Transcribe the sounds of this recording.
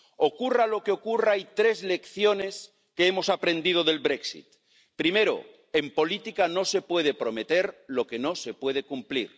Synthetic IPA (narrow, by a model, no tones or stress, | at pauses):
okuralo̞keo̞kuraajt̪ɾe̞zle̞kθjo̞ne̞s | keemo̞sapɾe̞nd̪ið̞oðe̞lβɾe̞ksḭt̪ | pɾime̞ɾo̰ | e̞mpo̞lit̪ikano̞se̞pwe̞ð̞e̞pɾo̞met̪e̞ɾlo̞ke̞no̞se̞pwe̞ð̞e̞kumpliɾ